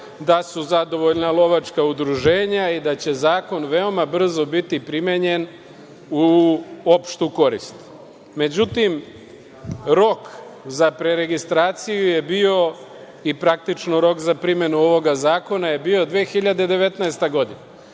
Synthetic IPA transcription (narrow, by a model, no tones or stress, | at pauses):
d̪asuzad̪o̞ʋo̞ʎnalˠo̞ʋat͡ʃkaud̪ɾuʒe̞ːɲaid̪at͡ɕe̞zaːko̞nʋe̞o̞mabr̩zo̞bit̪ipɾimeɲe̞n | uo̞pʃt̪uko̞ɾḭst̪ | me̞d͡ʑut̪im | ɾo̞kzapɾe̞ɾe̞ɡist̪ɾaːt̪sijuje̞bio̞ | ipɾak̚t̪it͡ʃnoɾo̞kzapɾime̞nuo̞ʋo̞ɡazaːko̞naje̞bio̞d̪ʋeːxiʎad̪ed̪e̞ʋe̞t̪naest̪aɡo̞d̪ina